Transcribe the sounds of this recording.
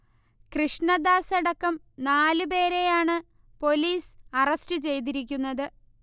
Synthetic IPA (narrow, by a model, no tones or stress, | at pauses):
krɨʂɳɐd̪aːseɽɐkːɐm | naːlɨpe̞ːɾe̞jaːɳɨ | po̞liːsɐrɐstɨt͡ɕe̞jt̪̬iɾikʲːunːɐðɨ